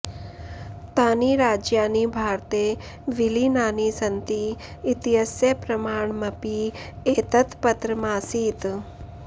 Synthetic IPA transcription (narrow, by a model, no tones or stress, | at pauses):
t̪aːniːɾaːd͡ʒjaːnibʱaːɾt̪e | ʋilinaːnisənt̪iːt̪iɦəsjəpɾɐmaːɳmɐpieːt̪ət̪pət̪ɾəmãːsiːt̪